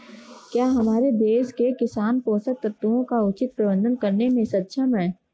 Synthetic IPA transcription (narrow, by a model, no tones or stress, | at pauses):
kjaːɦɐmaːɾebeːskekɪsaːnpoːsət̪əɾt̪uõkaʊt͡ʃɪt̪̚pɾɐbə̃nd̪ənkɐɾnemẽsɐt̪ːʃʰəmɦɛː